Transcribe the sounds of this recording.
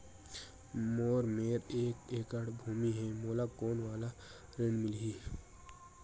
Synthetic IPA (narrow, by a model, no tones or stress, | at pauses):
moːɾmeːɾeːkeːkəɽbʱuːmiɦɛmoːlakoːnwaːla | ɾenmɪlɦiː